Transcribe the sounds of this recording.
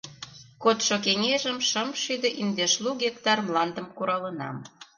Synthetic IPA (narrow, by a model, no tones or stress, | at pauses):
kot̪ʃokeŋʲeʒə̆mʃəmʃyd̪ĕʔind̪eʃluɣekt̪ɑrmlɑnd̪ə̆mkuɾɑlə̆nɑ̰m